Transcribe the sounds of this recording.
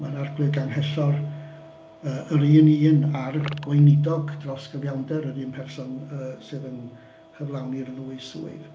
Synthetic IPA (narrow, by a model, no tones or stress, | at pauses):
manarɡlɨɡanɦɛɬɔr | əːʔəɾiːniːnarɡ̥wɔjnɪdɔɡdrɔsɡ̥əvjawndɛɾəɾiːnpʰɛrsɔnəːsɨːðən | həvlˠawnirlˠuɨsṵːɨ̰